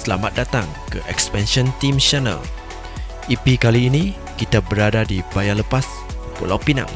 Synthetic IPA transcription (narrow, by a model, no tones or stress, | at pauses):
səlamat̪̚dat̪aŋkəʔɛkspɛnʃɔ̃nt̪imʃanə̰l | ipikaliːnĩ | kit̪abəɾadadibajaləpas | po̰lawpina̰ŋ